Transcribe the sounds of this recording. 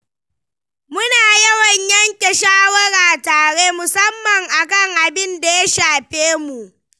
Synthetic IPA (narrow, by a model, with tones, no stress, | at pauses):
mʊ˦naː˨jɐ˦wɐ˨ɲjɐ˦ŋkʲe˨ʃaː˦wɐ˦ɽaː˨taː˨ɽeː˦mʊ˨sɐ˦mːɐ˨ŋʔa˨kɐ˦˨ŋʔa˨bɪ˦nda˨ja˦ʃaː˨ɸeː˦mu˨ʔ